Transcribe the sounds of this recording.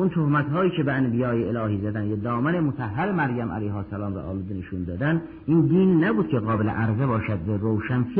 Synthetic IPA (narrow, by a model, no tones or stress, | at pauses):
unt̪ʰohmæt̪ɦɒːjiːcʰebeænbijɒːjeelɒːhiːzæd̪ænjæd̪ɒːmænemot̪ʰæɦːæɾemæɾjæmʔæ̰lejɦɒːsælɒːmɾɑ̰ʔɒ̰ːluːd̪eneʃund̪ɒːd̪æn | ʔind̪iːnːæbuːd̪̚cʰeɣɒːbeleʔæɾzebɒːʃæd̪væɾowʃænfi